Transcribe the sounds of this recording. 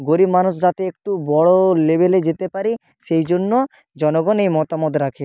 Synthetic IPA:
ɡoɾibmanuʃ̬d͡ʑat̪eek̚ʈubɔɽolebeled͡ʑet̪epaɾi | ʃejd͡ʑonːo | d͡ʑɔnoɡɔnejmɔt̪amot̪ɾakʰe

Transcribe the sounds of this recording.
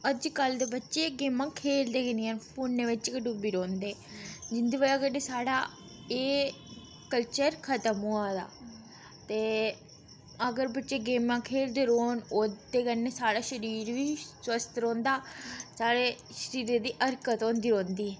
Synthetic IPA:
əd͡ʒkəld̪eːbətːʃeːɡeːmãːkʰeːld̪eːkəniːənpʰoːnːeːʋɪt͡ʃkəɖubiːɾõːnd̪eː | d͡ʒɪnd̪eːʋəlaːkəneːsaːɽaː | eː | kəlt͡ʃəɾkʰət̪əmuːãːd̪a̰ː | t̪eː | əɡəɾbətːʃeːɡeːmãːkʰeːld̪eːɾoːnod̪eːkənːeːsaːɽaːʃəɾiːɾʋiːswəst̪ɾõːnd̪aːsaːɽeː | ʃəɾiːɾeːd̪iːʔəɾkət̪õːnd̪iːɾõːnd̪iːɛː

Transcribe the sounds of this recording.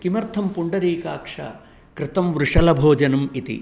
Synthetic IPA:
kimɐɾt̪ʰɐmpuɳɖɐɾiːkaːkʂɐ̰ | kɾɪt̪ɐmʋɾuʂɐlɐbʱoːd͡ʒɐnɐmit̪ḭ

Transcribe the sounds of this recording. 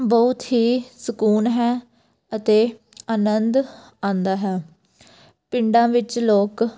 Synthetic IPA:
bɔʊt̪ɦiːsəkuːnɦɛː | ət̪eː | aːnənd̪ | ãːnd̪aːɦɛː | pɪɳɖãːʋɪt͡ʃloːk

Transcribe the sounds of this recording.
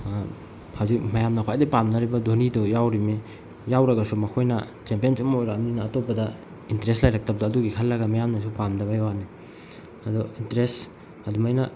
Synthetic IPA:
hawzikmɐjamnɐkʰwajdipamnɐɾibɐdonidɔjawɾimi | jawɾɐɡɐsumɐkʰojnɐ | t͡ʃempiensumojɾaːmninɐːtopːɐdɐ | intɾestlajɾɐk̚tɐp̚daːduɡikʰɐlːɐɡɐmajamnɐs̬upamdɐβajwani | ɐdɔintɾes | ɐdumajnɐ

